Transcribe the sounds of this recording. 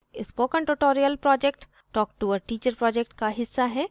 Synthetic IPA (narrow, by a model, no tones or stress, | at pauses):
ɪspoːkə̃ɳʈuʈoːɾijəlpɾɔːd͡ʒek̚ʈ | ʈɔːk̚ʈuʋəɾʈiːt͡ʃəɾpɾɔːd͡ʒek̚ʈkaɦɪsːaɦɛː